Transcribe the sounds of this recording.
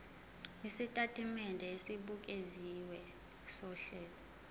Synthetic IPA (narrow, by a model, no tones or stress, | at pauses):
isitʼatʰʼimɛndʱɛesiɓuk̬ʼeziwɛ | sɔɬɛːlɔ